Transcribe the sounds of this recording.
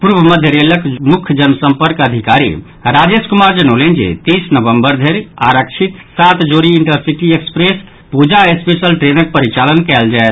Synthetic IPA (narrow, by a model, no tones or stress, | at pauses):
puɾʋəməd̪ʱjəɾeləkmukʰd͡ʒənsəmpəɾkəd̪ʱikaɾḭ | ɾad͡ʒeskumaɾd͡ʒənolend͡ʒḛt̪isnəʋəmbəɾd̪ʱeɾaɾək̚t͡ʃʰit̪sat̪d͡ʒoɾiiɳʈəɾsiʈiekspɾes | pud͡ʒaespesəlʈɾenək̚pəɾit͡ʃalənkɛld͡ʒaet̪